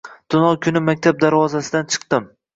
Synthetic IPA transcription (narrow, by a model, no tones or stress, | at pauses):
d̪̥ʊnɒkʰʲʊnɪmak̚ʲt̪ʰab̚d̪aɾvɒzasɪd̪ant͡ʃʰɨ̥qt̪ɪm